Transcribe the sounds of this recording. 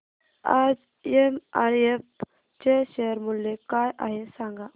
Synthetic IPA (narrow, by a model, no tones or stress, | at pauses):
aːd͡ʒ | emaːɾef | t͡ʃeʃeəɾmʊlːekaːjʔa̰ɦesãːŋɡa